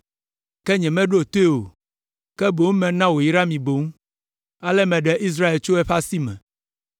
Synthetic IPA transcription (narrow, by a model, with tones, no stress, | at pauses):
kɛ˦ɲɛ̃˨mɛ̃˦ɖo˦˨t̪o˦e˦o˨ | kɛ˦bo˨ŋ˦mɛ̃˨nã˦wo˨ji˨˦ɾa˦mĩ˨bo˨ŋu˦ | a˦lɛ˦mɛ̃˨ɖɛ˦ʔi˦s̬ɾa˦e˨lt͡ʃo˦ɛ˦ɸa˦si˦mɛ̰̃˨